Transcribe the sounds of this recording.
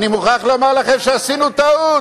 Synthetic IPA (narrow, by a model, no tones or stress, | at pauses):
nimuχaχlomaʁlaχemʃeasinut̪aut